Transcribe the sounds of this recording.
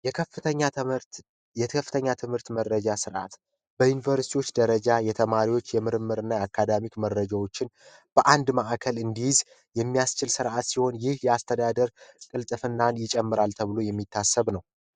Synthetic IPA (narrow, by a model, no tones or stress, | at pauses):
jkʰəfɨt̪əɲːa | jɛt̪ʰkʰəfːɨt̪ʰəɲːat̪ʰɨmhɨɾt̪mərːəd͡ʒasɨɾʔa̰t̪ | bəjunivəɾsi̥t̪ʰiwo̞t͡ʃːd̪əɾəd͡ʒajɛt̪ʰəmaɾiwo̞t͡ʃːjɛmɨɾɨmːɨɾɨnːaakʰːad̪amikməɾːəd͡ʒawo̞t͡ʃːɪnb̥əʔand̪maʔakʰəlɨnd̪ijɪz | jɛmːijast͡ʃɪlsɨɾʔat̪siho̞njɪhjɛast̪ʰəd̪ad̪əɾkʼɨlt̪ʼɨfɨnːanjɪt͡ʃʼɛmːɨɾalt̪ʰəβɨlo̞jɛmːit̪ʰːasːəβnəw